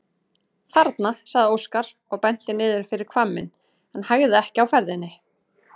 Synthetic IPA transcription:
faɾt̪nasaɣðɪowskaɾ̥ | ɔɣpɛn̥t̪ɪnɪːðʏɾ̥fɪɾɪɾ̥kʰvamːɪ̰n | ɛnhaɣðɪɛhcɪawfɛɾðɪnːɪ

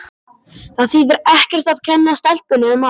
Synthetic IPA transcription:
θaðθiːðɪɾɛhcɛr̥t̪av̥cʰɛnːast̪ɛl̥t̪̚pʏnɪʏma

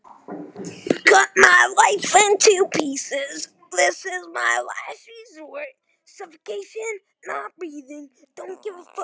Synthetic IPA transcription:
kʰʌt̚maɪlaɪfɪ̃ntʰʉpʰisɪz | blðɪsɪzmaɪla̰ɪfizə˞t̚ | sʌfəkʰeɪʃɨ̃nː | ət̚ɹiðɪ̃ŋd̥õʊ̃nɡ̥ɪvəf

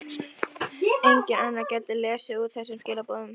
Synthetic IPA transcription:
ejɲcɪnanːacɛːt̪ɪlɛːsɪut̪θɛsːʏmscɪːlapoːðʏm

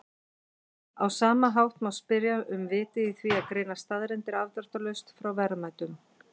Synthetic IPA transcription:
awsaːmaɦawht̪mawspɪɾjaʔʏmvɪːt̪ɪiθviaðkɾeːjnast̪aðɾɪnt̪ɪɾavt̪ḁt̪alœɥst̪fɾawvɛɾmajt̪ʏm

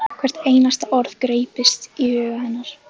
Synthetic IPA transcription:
kʰvɛr̥t̪eːjnast̪aʔɔɾðkɾeːjpɪst̪iœːɣahɛnːaɾ̥

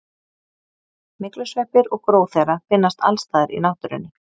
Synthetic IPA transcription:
mɪklʏsvɛhpɪɾɔɣkɾoːwθejɾafɪnːast̪a̰lst̪aːðɪɾḭnawht̪ʏɾɪ̰nːɪ

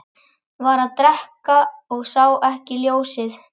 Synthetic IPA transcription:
vaɾaðt̪ɾɛhkaɔɣsaːwʔɛhcɪljoːwsɪð

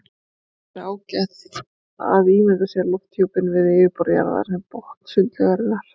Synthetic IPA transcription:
ɾaːwcɛt̪ | a̰ðiːmɛk̪asjɛɾlɔwht̪ʰjowpɪnvɪðeːvɪpɔɾja̰ɾða̰ɾsɛmpɔht̪n̥sʏlt̪lɛɣaɾɪnaɾ̥

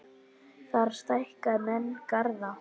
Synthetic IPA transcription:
θaɾ̥st̪ajhkaðmɛnːkaɾða

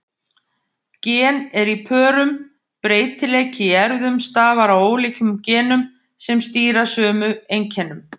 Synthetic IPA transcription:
cɛːnɛɾipʰœːɾʏm | pɾeːjt̪ʰɪleːjcɪɛɾðʏmst̪aːvaɾawoːwliːcʏmcɛːnʏm | sɛmst̪iːɾḁsœːmʏejɲcʰɛnʏm

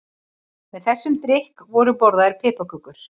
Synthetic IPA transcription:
mɛðθɛsːʏmt̪ɾɪhkvɔɾʏpɔɾðaɪɾ̥pʰɪːpakʏkʏɾ̥

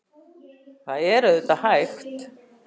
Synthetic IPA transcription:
θaðɛɾʏðɛht̪ahajxt̪

